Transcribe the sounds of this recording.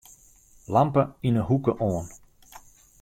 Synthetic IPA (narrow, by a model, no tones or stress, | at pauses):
lampəinəɦukəʔoːən